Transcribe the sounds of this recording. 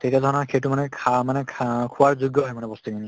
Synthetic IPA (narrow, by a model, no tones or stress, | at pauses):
tetiadʱɔɹnakʰejtumanɛkʰamanɛkʰkʰuwaɹzuɡjɔɦɔjmanɛbɔst̪ukini